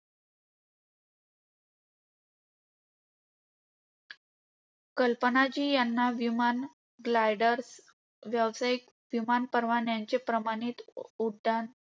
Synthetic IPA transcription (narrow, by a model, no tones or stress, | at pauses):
kəlpənat͡ɕiːjanːaʋiman | ɡlajɖəɾs | ʋjaʋsajik | ʋimanpəɾʋaɳjaɲt͡ɕepɾəmaɽ̃iːt̪uɽɖan